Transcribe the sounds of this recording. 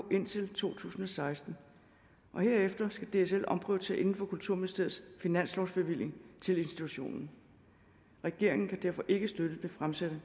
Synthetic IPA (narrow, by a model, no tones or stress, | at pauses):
ʔe̝n̰t͡sʰe̝lt͡sʰo̝̰ːt͡sʰṵːsn̩ɒ̽sɑ̈ɪsd̥n̩ | ʔɒ̽heɐ̰efd̥ɐsɡ̥æd̥e̝esel̰ɒ̽mpʰʁœ̰ʊ̥t͡sʰe̝æɐʔe̝nn̩fɒ̽kult͡sʰuɐ̰meðˠsd̥ʰe̝ð̩ˠsfinæn̰slɒʊsb̥e̝ʋil̰je̝ŋt͡sʰe̝le̝nsd̥it͡sʰuɕo̝̰ːnn̩ | ʁɛɡ̥e̝ɐ̰e̝ŋn̩kʰæd̥æɐ̰fɒ̽ʔe̝ɡ̥əsd̥ød̥əb̥efʁamsæd̥ə